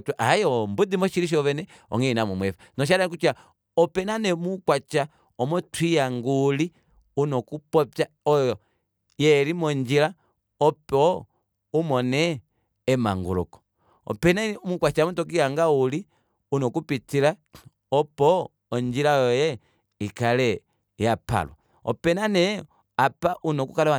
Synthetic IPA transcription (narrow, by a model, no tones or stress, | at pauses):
tʔajɔmbudimɔʃiɾiʃ̬ɔβɛnɛ | ɔ̰ŋinamɔmwɛfanɔʃ̬aɾakut͡ʃa | ɔpɛnanɛmukwat͡ʃa | ɔmɔtwijaŋɡuli | unɔkupɔpjaɔjjɔ | jɛlimɔɲd͡ʒila | ɔpɔ | umɔnɛː | ma̰ŋɡṵlɔ̰kɔ̥ | ɔ̰pɛnamukwat͡ʃamɔtɔk̬iaŋɡauli | unɔkupitila | ɔpɔː | ɲd͡ʒilajɔjɛ | ikalɛ | japa̰lɔ̰ | ɔ̰pɛnanɛ | apaʔunɔkukalaa